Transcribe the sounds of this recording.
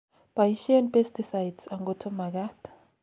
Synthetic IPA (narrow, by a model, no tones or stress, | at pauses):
b̥ajiʃiɛnpʼɛstʰʼisajdsaŋɡɔtʰɔmak̬aːtʰʼḁ